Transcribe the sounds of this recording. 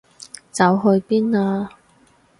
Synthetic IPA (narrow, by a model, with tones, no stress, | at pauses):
t͡sɐ˨˧˥wɦɵ˧ɥpiː˥naː˧